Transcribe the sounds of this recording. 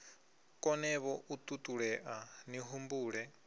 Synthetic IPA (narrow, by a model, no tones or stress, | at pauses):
kʼɔnɛβɔʔut̪ʼut̪ʼuɺɛʔaniɦumbuːɺɛ